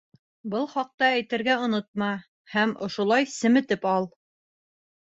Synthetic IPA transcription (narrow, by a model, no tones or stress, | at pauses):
bɤlˠχɑq̚t̪ɑæjt̪ɘ̆ɾɡæŏnot̪̚mɑ | hæmŏʃŭlˠɑjsɘ̆mɘ̆t̪ɘpɑlˠ